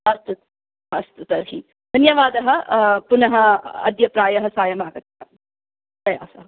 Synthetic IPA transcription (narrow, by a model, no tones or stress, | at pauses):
ɐst̪ut̪ | ɐst̪ut̪ɐɾɦi | d̪ʱɐnjɐʋaːd̪ɐɦɐpunɐɦɐɐ̰d̪jɐpɾaːjɐɦɐsaːjɐmaːɡɐt̪jɐ̰ | pɾɐja̰ːsɐɦɐ